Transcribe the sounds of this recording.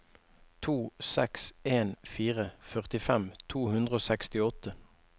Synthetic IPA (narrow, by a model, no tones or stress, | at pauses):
t̪ʰuːsɛkseːnfiːʁəfœʁt̪ɪfɛmt̪ʰuːhʉnd̪ʁəoːsɛkst̪ɪɔt̪ə